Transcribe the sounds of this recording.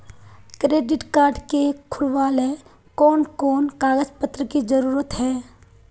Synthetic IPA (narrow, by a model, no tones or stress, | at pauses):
kɾeːɖɪʈkaːɾɖkekʰʊɽʋaːle | kɔːnkɔːnkaːɡəd͡ʒpət̪ːɾəkid͡ʒəɾuːɾət̪ɦɛː